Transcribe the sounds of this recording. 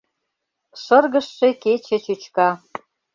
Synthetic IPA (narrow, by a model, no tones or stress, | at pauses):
ʃə̆rɣə̆ʃːeket͡ɕet͡ɕut͡ɕkɑ